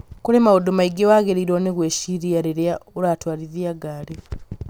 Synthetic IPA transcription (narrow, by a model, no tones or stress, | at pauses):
kulemaodomaiɡewaːɡeɾiɾoːneɣweʃiɾijaɾeɾeauɾatwaːliðiaɡaːle